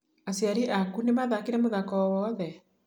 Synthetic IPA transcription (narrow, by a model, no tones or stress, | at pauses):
asiaɾiʔakunemaðakeɾɛmoðakɔwɔːðɛ